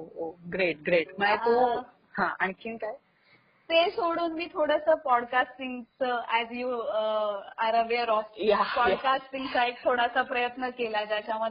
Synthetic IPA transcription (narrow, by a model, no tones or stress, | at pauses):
ooɡɾeʈɡɾeʈmaeɦto | hãaɽ̃ikʰinkaj | t̪esoɽuːnmiːt̪ʰoɽasəːpɔɽkasʈiŋɡsəɛzjuː | aɾəʋeɾɔfjpɔɽkasʈiŋɡt͡saek̚t̪ʰoɽasapɾəjət̪nəkelad͡ʑat͡ɕaməd̪ʱ